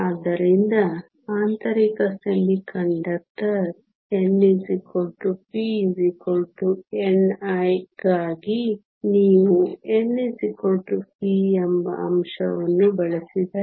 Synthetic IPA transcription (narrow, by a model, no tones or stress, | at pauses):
ɐd̪ɐɾind̪ɐ | aːnt̪ɐɾikɐsembikʰɐɳɖɐkʈɐɾ | enːisikoɭʈupizikolʈuenɐjɡaːɡi | niːʋuenːisikolʈupiembɐ̰ʔɐ̰mʃɐ̰ʋɐnːubɐɭɐsid̪ɐ